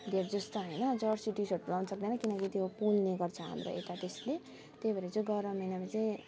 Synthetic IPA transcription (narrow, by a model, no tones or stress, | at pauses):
d̪ʱeɾd͡zʌst̪oɦʌjnʌd͡zʌrsiʈisoʈulawnʌsʌk̚d̪enʌkinʌkit̪jopulneɡʌrt͡sʰʌɦʌ̰nɾʌ̰et̪at̪esle | t̪ebaɾed͡zoɡʌɾʌmʌjnamat͡saj̃